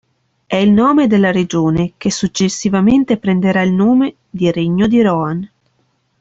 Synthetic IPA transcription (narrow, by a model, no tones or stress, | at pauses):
ɛilnoːmed̪elːaɾed͡ʒoːnek̟esːut͡ʃːesːivament̪epɾend̪eɾailnoːme | d̪iɾeɲːod̪iɾɔan